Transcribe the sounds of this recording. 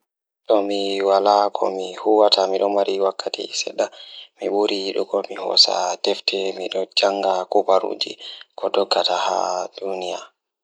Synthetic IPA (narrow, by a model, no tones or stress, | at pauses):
ɗɔmiwalakʰɔ̰mihuwatʰamiɗɔmaɾiwakːatḭsɛ̰ɗamiɓuɾiɗɔkɔmihɔ̰sa̰dɛftʰɛmiɗɔd͡ʒaŋɡakubaɾṵːd͡ʒḭkɔdɔɡːatahadunija